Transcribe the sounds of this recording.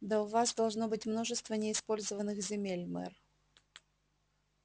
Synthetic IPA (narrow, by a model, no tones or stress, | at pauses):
d̪aʊvasd̪ɐlˠʐno̞bɨtʲmno̞ʐɨst̪vənʲɪːspo̞lʲzəvənːɨxzʲɪmʲelʲmɛ̰r